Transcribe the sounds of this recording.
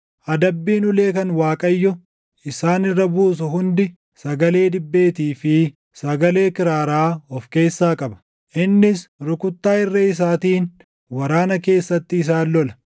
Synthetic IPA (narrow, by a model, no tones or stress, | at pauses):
ʔɐd̪ɐbːiːnʊle̞ːkɐnwaːkʼɐjːɔ | ɪsaːnɪrːɐbuːs̬ʊɦʊnd̪ɪ | sɐɡɐle̞ːd̪ɪbːe̞ːt̪iːfɪ | sɐɡɐle̞ːkɪɾaːɾaːɔfke̞ːsːaːkʼɐbɐ̥ | ʔɪnːɪsɾʊkʊt̪ːaːɪrːɐɪs̬aːt̪iːn | wɐɾaːnɐke̞ːsːɐt̪ːɪːs̬aːlːɔlɐ